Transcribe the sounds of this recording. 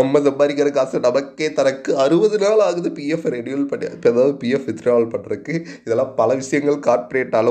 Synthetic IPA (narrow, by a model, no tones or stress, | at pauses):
ɐmːɐsɐmbaːɾɪɣɐɾɐkaːsɐnɐmɐkːɐɪt̪ːɐɾɐkːɯɐɾɯʋɐðɯnaːlaːɣɐðɯpijɛfɾeɽɪjɐlpɐɽɪja̰ːɯɐðaːʋɐðɯpiːɛfɪt̪ːɪɾaːʋɐlpɐʈːɐɾɯkːɯɪðɛlːãːpɐlɐʋɪʂɐjɐŋɡɐɭkaːɾpɐɾeːʈːaːl